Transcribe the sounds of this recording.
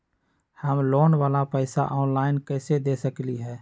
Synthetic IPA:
həmloːnʋaːlapɛɪsa̰ʔɔːnlaːɪnkɛːsed̪eːsəkliɦɛː

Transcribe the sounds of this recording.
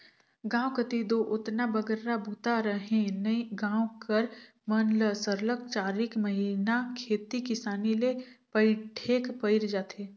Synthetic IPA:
ɡãːwkət̪id̪oʔʊt̪nabəɡəɾɾabʱuːt̪aɾəɦẽnɐiɡãːwkəɾ | mənləsəɾlək̚t͡ʃaːɾɪkməɦinakʰeːt̪ikɪsaːnilepəɪʈʰeːkpəɪɾd͡ʒaːt̪ʰeː

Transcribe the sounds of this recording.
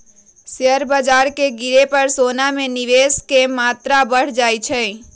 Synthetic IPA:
sjəɾbad͡ʒaːɾkeɡɪɾepəɾsoːnamẽniʋeːskemaːt̪ɾabəɽ̤d͡ʒaːjt͡ʃʰɛ

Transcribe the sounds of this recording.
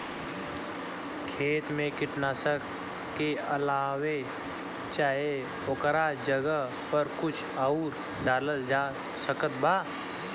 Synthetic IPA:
kʰeːt̪mẽkɪʈnaːsək | keəlaːwe | t͡ʃaːe | okəɾad͡ʒəɡə | pəɾkʊt͡ʃʰauːɾ | d̪aːləld͡ʒaː | səkət̪baː

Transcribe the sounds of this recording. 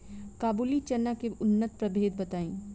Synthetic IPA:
kaːbuːlit͡ʃɐnːakeʊnːət̪̚pɾɐbʱeːd̪̚bɐt̪aːĩː

